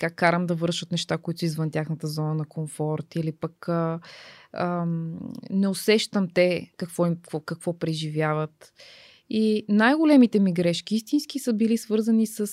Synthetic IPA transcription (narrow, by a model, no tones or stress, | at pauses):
t̪kakkːaɾəmd̪ɐvɤɾʃət̪nɛʃt̪akoit̪ʊizvənt̪ʲjaxnət̪əzɔnənɐkomfɔɾt̪ilipəkə | ə | nɛosɛʃt̪əmt̪ɛkɐkvɔikvɔkɐkvɔpɾɛʒivjavət̪ | inajɡolɛmit̪ɛmiɡɾɛʃkʲiist̪insk̟isəbilisvɤɾzənisəs